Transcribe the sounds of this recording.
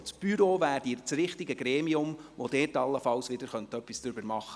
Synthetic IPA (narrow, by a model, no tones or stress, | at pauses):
t͡sb̥yɾoːʋæːɾdiɾt͡sɾɪχtɪɡəɡɾɛːmiʊmʋod̥̪ɛːtɑlːəfɑlsʋɪd̪əɾχœnt̪œpːisd̥ɾʏbəɾmɑχːə̥